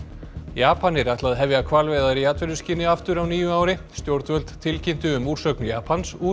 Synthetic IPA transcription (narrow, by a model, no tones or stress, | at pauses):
jaːpanɪɾaht̪laðɦɛvjakʰvalvɛjðaɾiaːt̪vɛlʏsciːnɪaft̪ʏɾawniːjʏaːwɾɪst̪jowɾt̪vœlt̪t̪ʰɪlcɪn̥t̪ʏʏmuːɾ̥sœknʏja̰ːpʰansuː